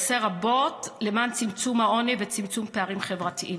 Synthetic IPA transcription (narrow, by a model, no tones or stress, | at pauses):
seʁabo̞tle̞mant͡simt͡sumhao̞nivet͡simt͡sumpeaʁimχevʁatiʔim